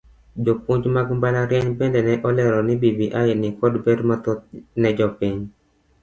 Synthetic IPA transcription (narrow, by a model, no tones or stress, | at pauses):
d͡ʒopuɲd͡ʒmaɡumbalaɾjɛɲbɛndɛnɛʔɔlɛɾɔnɪbibiʔajɪnɪkɔdbɛdmɔt̪ɔtnɛd͡ʒɔpiɲ